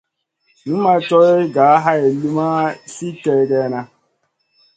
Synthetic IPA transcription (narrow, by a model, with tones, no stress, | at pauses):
nu˦ma˨tɔ˦ɪ˦ɡa˨a˦ɦa˦e˨li˦ma˦si˦te˨ɡe˦na˦